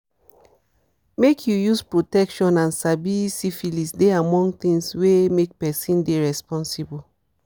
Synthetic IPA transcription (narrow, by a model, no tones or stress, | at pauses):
mekʰjujuspɹotɛkʃɔ̃nãnsabisifilisdeamɔ̃ŋɡt̪ĩŋswemek̚pɛsĩndeɹɛspɔ̃nsibo